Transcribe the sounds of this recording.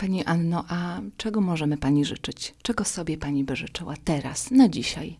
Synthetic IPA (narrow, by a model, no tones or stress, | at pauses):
paɲiʔanːɔʔat͡ʂɛɡɔmɔʐɛmɘpaɲiʐɘ̰t͡ʂɘt͡ɕt͡ʂɛɡɔsɔbʲjɛpaɲibɘʐɘt͡ʂɘwat̪ɛɾa̰snad͡ʑiɕa̰j